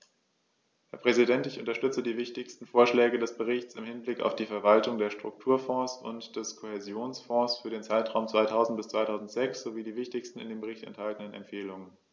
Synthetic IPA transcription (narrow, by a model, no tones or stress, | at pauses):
hɛːɐpʁ̥ɛzidɛntɪçʔʊntɐʃtʏt͡sədiːvɪçtɪçstn̩foːɐʃlɛːɡədɛsb̥əʁ̞ɪçt͡sɪmhɪnblɪka̰ʊfd̥iːfɛɐvaltʊŋdeːɐʃtʁ̥ʊk̚tʰuːɐfɔ̃ːsʊ̰ntd̥ɛskʰohezjoːnsfɔ̃ːsfyːɐɾeːnt͡saɪtʁ̥aʊmt͡sv̥aɪtʰaʊzn̩t̚b̥ɪst͡sv̥aɪtʰaʊzn̩tz̥ɛksz̥oviːdiːvɪçtɪçstn̩ɪ̰ndeːmbəʁ̞ɪçtɛ̰nthaltənənɛ̰mfeːlʊŋən